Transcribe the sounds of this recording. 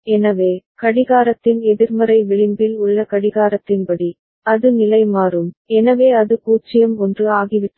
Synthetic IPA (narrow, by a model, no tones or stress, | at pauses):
ɛnɐʋeːkɐɽɪɣaːɾɐt̪ːɪnɛðɪɾmɐɾɐɪʋɪɭɪmbɪlʊɭːɐkɐɽɪɣaːɾɐt̪ːɪnpɐɽi | ɐðɯnɪlɐɪmaːɾɯmɛnɐʋeːɐðɯkuːt͡ʃːɪjɐmɔndrɯaːɣɪʋɪt̪ː